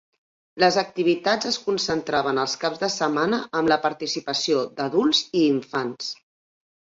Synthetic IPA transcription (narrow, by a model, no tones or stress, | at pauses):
ləzək̚t̪iβ̞it̪azəskunsənt̪ɾaβ̞ənəlˠskabzðəsəmanəʔəmləpəɾt̪isipəsiod̪əðulˠziːɱfans